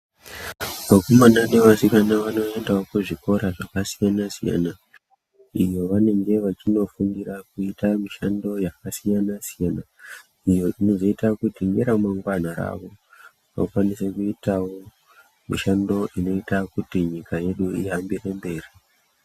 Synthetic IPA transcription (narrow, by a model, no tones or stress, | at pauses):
ʋakomanane̞ʋasikanaʋano̞e̞ndaokuʐiko̞ɾaʐakasijanasija̰na | ijo̞ʋane̞ŋɡe̞ʋat͡ʃino̞fuŋɡirakuitamiʃando̞jakasijanasijana | ijo̞ʔino̞zo̞itakutiŋɡeɾamaŋɡwan̤oɾa̰ːʋo̞ | ʋa̰kwanise̞kuitawo̞ | miʃando̞ʔino̞itakutiɲikaje̞ɗuiɦambire̞mbe̞ːri